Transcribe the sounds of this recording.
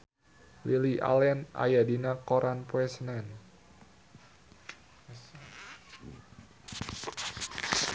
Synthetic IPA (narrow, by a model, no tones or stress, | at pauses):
liliʔa̰lɛnʔa̰jadinakoɾʔanpwɛsnɛn | s